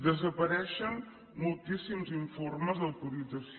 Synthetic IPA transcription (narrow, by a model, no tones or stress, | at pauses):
d̪əzəpəɾɛʃən | mulˠt̪isimziɱforməzðəwt̪uɾid͡zəs